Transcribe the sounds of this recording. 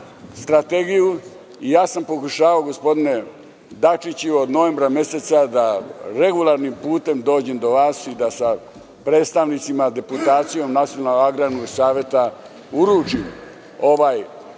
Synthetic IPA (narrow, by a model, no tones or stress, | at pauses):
st̪ɾat̪eɡiju | ijaːsampo̞kuʃaːʋaoɡo̞spo̞d̪ine̞ | d̪at͡ʃit͡ɕuod̪no̞ʋe̞mbɾamje̞set̪sad̪aɾe̞ɡulˠaɾnimpuːt̪e̞md̪o̞ːd͡ʑemd̪o̞ʋaːsid̪asa | pɾeːt̪st̪aʋnit̪simad̪e̞put̪aːt̪sijo̞mnat̪sijonalaɡɾanuisaːʋje̞t̪a | uɾuːt͡ʃim | o̞ʋaːj